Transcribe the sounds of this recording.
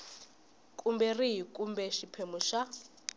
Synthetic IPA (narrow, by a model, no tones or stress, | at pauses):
kʼumbɛriɦikʼumbɛʃipʰemuʃa